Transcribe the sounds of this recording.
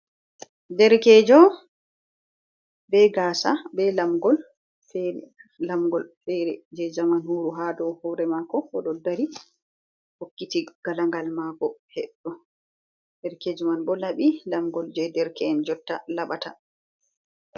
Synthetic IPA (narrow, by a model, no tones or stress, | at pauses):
dɛɾkɛːd͡ʒɔ | bɛɡaːsabɛlamɡɔl | fɛɾ | lamɡɔlfɛɾɛd͡ʒɛzamanhuɾuɦadɔhɔɾɛmakɔɔɗɔdaɾi | hokːitiɡ̥alaŋɡalmakɔhɛɗːɔ | dɛɾkɛd͡ʒɔmanbɔlaɓilamɡɔld͡ʒɛdɛɾkɛːnd͡ʒɔtːalaɓata̰